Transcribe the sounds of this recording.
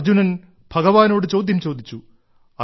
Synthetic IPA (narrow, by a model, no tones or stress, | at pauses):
d͡ʑunɐn | b̥ʱɐɡɐʋaːno̞ːɽɨt͡ɕo̞ːd̪ʱjɐmt͡ɕo̞ːd̪ʱit͡ɕːu | ɐ